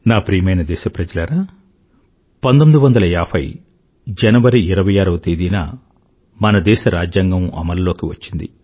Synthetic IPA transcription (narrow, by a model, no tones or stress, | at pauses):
naːpɾiːmɐjnɐd̪ɛːʃɐpɾɐd͡ʒɐlɐɾaː | pɐnd̪omid̪uʋɐnd̪ɐlɐaːpʰɐ̰j | d͡ʒɐnɐʋɐɾiiɾɐʋɐjaːɾɐʋɐt̪ed̪iːnaː | mɐnɐd̪ɛːʃɐɾaːd͡ʒjaːŋɡɐmɐ̰mɐlːo̞ːkiʋɐt͡ʃːind̪ḭ